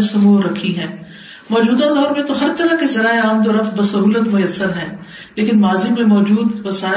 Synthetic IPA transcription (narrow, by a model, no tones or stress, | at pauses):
sɐmoːɾɐkʰiɦɛ̃ː | mɔːd͡ʒuːd̪ad̪ɔːɾmẽt̪oɦɐɾt̪ɐɾəkizɐɾaːeaːmd̪ɔɾɐfbɐsɐɦuːlət̪mʊjəsːəɾɦɛ̃ː | leːkɪnmaːzimẽmɔːd͡ʒuːd̪ʋɐsaː